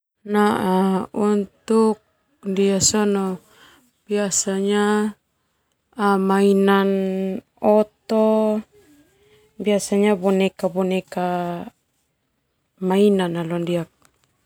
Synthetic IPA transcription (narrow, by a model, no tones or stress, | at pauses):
naʔaunt̪uk̚ | ndiasɔnɔ | b̥iasaɲa | mainan | ɔt̪ɔ | biasaɲabɔnɛkabɔneka | mainanalɔndiak̚